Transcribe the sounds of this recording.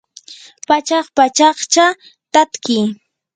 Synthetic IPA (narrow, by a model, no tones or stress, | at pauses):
pat͡ʃɑχpat͡ʃɑχt͡ʃa | t̪at̪kɪj